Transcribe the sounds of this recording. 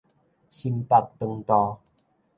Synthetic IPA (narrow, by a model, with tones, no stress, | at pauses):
si˧mpa˧t̚t̪ə˨˧ŋt̪ɔ˧